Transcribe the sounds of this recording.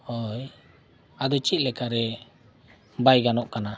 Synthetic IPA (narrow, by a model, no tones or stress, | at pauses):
hɔj | ad̪ɔt͡ʃit̪̚lɛkaɾɛ | bajɡanɔʔkana